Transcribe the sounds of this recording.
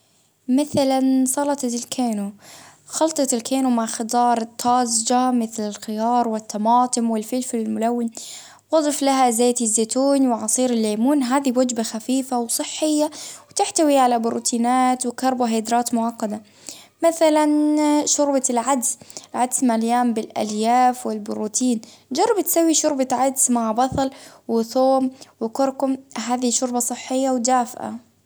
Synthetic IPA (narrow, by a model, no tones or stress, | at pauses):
maθalansˤɑlɑt̪ˤɑlkʰeːnuxɑlt̪ˤɑt̪ɪlkʰeːnumaʕxɑd̪ˤɑːɾˤɨt̪ːɑːzd͡ʒamɪθlɪlxɪjɑːɾˤwɪt̪ːɑmɑːt̪ˤɨmwɪlfɪlfɪlɪlmʊlawːɪn | wɑd̪ˤɨflaɦazaːt̪ɪzːaːt̪uːnwɪʕɑsˤiːɾɪlːeːmuːnɦaːðiwad͡ʒbaxafiːfawsˤɨħːɪjːawt̪ɪħt̪awiʕalabʊɾṵːt̪ʰiːnaːt̪wɪkɑɾˤbuɦeːd̪ɾaːt̪mʊʕɑqːɑd̪a | maθalanʃʊɾbalʕad̪sʕad̪smaljaːmbɪlʔa̰ljaːfwɪlbʊɾuːt̪ʰiːnd͡ʒɑrˤːɑbt̪sawːiʃʊɾbaʕad̪smaʕbɑt̪ˤɑlwɪθoːmwɪkʊɾkʊmɦaːðiʃʊɾbɑsˤɨħːɪjːawd̪aːfʔa̰